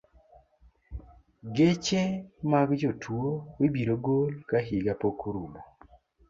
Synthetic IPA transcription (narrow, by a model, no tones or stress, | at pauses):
ɡet͡ʃemaɡd͡ʒotʰwuowibiɾoɡolkaɦiɡapokʰuɾulo